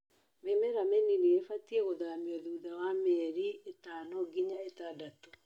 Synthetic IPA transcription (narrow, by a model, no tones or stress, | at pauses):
memeɾameniniefatieɣoðamiɔðuðawamɛɾietaːnɔɡiɲaetadato̥